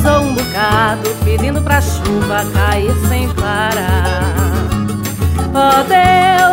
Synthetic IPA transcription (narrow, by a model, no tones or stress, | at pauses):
zowũbukad̪ʊpid͡ʒĩnd̪ʊpɾaʃuvɐkaiɾsẽj̃paɾa | pod̪e